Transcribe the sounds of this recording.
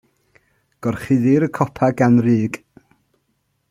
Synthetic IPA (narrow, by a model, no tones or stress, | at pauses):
ɡ̥ɔrχɪðɪɾəkʰɔpʰaɡanriːɡ̥